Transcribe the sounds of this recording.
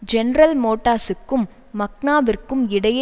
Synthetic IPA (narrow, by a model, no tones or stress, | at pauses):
d͡ʒɛnɾɐlmoːʈːaːsɯkːɯmː | ɐk̚naːʋɪrkːɯmɪɽɐje